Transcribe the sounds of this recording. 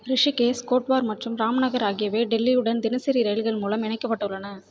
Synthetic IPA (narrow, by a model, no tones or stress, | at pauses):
ɾɪʂikeːskoːʈʋaːɾmɐʈrɯmɾaːmɐnɐɣɐɾaːɣɪjɐʋeːɖɛlːiɯɽɐnd̪ɪnɪsɪɾiɾɐjlɣɐɭmuːlɐmɪɳɐɪkːɐpːɐʈːɐɯɭːɐnɐ